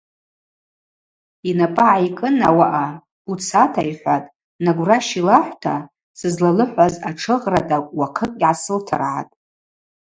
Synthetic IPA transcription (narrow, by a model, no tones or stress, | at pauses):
inapʼaʕajkʼɨna̰waʔa | ut͡sʰatʰa̰jħʷatʼ | naɡʷraʃilaħʷtʰa | sɨzlalɨħʷazaʈ͡ʂʰɨʁradʼawaqʰəkʼʲʕasɨltʰa̰rʕa̰tʼ